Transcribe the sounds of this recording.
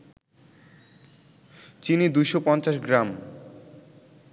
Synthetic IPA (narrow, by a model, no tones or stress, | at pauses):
t͡ɕinid̪ujʃopɔnt͡ɕaʃ̬ɡɾam